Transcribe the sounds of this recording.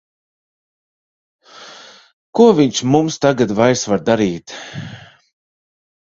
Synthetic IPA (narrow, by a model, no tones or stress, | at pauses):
kuɔviɲt͡ʃmumst̪aɡad̪vajsvaɾd̪aɾiːt̪